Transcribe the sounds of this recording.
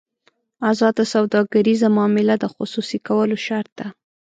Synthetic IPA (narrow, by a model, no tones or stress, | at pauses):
azɑd̪asawd̪ɑɡaɾizamɑmɪlad̪əxʊsusikawəloʃaɾt̪̚d̪a